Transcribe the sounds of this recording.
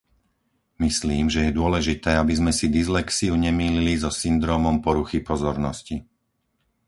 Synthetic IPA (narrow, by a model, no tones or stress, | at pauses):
misliːmʒɛjɛd̪ʊɔlɛʒit̪ɛːabizmɛsid̪izlɛksiuɲɛmiːlilizɔsind̪ɾɔːmɔmpɔɾuxipɔzɔɾnɔsci